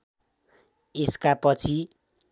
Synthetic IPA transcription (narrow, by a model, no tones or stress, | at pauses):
eskapʌt͡sʰi